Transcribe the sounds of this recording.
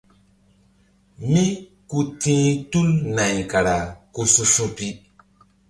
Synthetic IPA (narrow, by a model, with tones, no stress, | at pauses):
mi˦ | ku˦tĩː˦tu˦lna˨jka˨ɾa˨ku˧su˦sũ˦pi˦